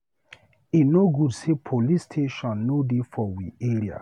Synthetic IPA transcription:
inoɡudsepʰolistʰeʃɔ̃nːodefɔwieɾia̰

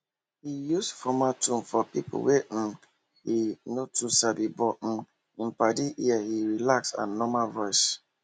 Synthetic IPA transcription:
hijusfɔmatũmfɔpipṵwem̩ | hinotusabibɔm̩ | m̩padiʔiahiɹilaksa̰nɔmalvɔɪs

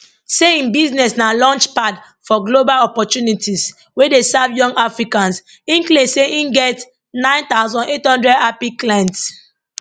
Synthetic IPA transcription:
seĩnbiznɛsnalɔ̃nt͡ʃpad | fɔɡlobalɔpɔtjunitis | wedesavjɔ̃ŋɡafɹikãns | ĩnklẽseʔĩnɡɛt | nãɪ̃nt̪aʊzɔ̃nethɔ̃ndɹɛdapiklɛ̃nt

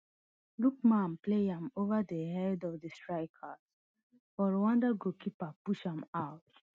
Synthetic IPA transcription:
luk̚mãnpleãmovadəhɛdɔvdəstɹaɪkʰas | fɔɹwãndaɡokipapuʃãmaʊt

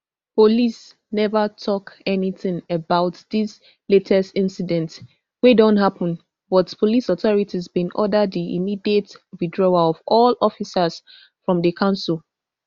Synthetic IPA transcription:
polis | nɛvətʰɔkɛniθɪ̃ŋəbaʊtðis | letʰɛstɪ̃nsidɛ̃nt | wedɔ̃ntɦapə̃n | wɔtpʰolisɔθɔɹitʰizbĩnʔɔdədðiḭmidietɹidɹɔaɔvɔlɔfisəz̥ | fɹɔ̃mðəkʰãʊ̃nsulˠ

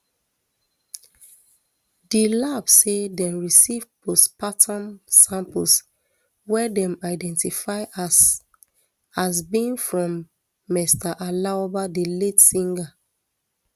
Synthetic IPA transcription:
dilabsedɛ̃mɹisivpʰospatʰãnsãmpəls | wɛdɛ̃maɪdɛ̃ntifaɪ | asbĩnfɹɔ̃mː | ɛstaʔalaobadeletsĩŋɡa

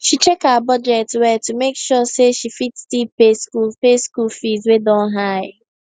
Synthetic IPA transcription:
ʃit͡ʃekaabɔd͡ʒɛtwɛtːumekʃɔseʃifitstipeskupeskulfizwedɔ̃nɦaɪ

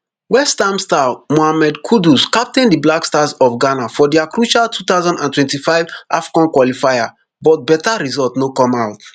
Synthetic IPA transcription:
wɛstãmstamoamɛdkʰuduskap̚tɛ̃ndiblakstazɔfɡanafɔdɛakɹuʃaltʰut̪aʊzɔ̃ndãntwɛ̃ntifaɪvʔafi̥kãnkwɔlifaja | bɔt̚bɛtaɾizɔltnokɔ̃maʊt

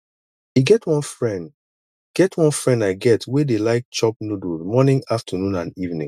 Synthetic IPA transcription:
iɡɛtʰwɔ̃nfɹɛ̃nd | ɡ̥ɛtʰwɔ̃nfɹɛ̃ndaɪɡɛtʰwedelaɪk̚t͡ʃɔp̚nuduzmɔnĩŋaftʰənũnãnivnĩŋ

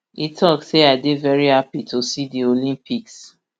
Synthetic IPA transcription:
itʰɔkseaɪdevɛɹihapitʰosidiolĩmpiks

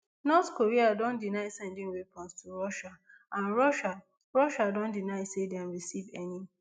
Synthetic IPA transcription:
nɔθkʰoɹiadɔ̃ndinaɪsɛ̃ndɪ̃ŋwepʰɔ̃nstʰuɹɔʃa | ãnɹɔʃa | ɹɔʃadɔ̃ndinaɪsedɛ̃nɹisivɛni

